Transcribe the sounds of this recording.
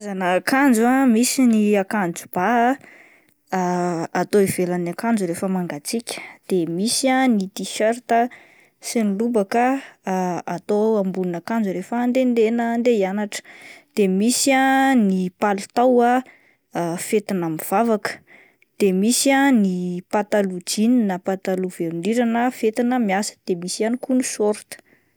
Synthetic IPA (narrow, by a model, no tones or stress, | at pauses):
zanakand͡zuamisiniakand͡zub̥aɦ | at̪oiv̥elanakand͡ʒuɾefəmaŋɡat͡sikʲə̥d̪̥emisianit̪iʃaɾt̪ə | sinilubakə | at̪oambulunakand͡zuɾefand̪end̪enənd̪eianaʈ͡ʂə̥d̪̥emisianipalut̪awa | fet̪inamiv̥avakə̥ | d̪̥emisianipat̪alud͡ʒininapat̪aluveɾuniɾanəfet̪inəmiasə̥d̪̥emisianikunusoɾt̪ə̥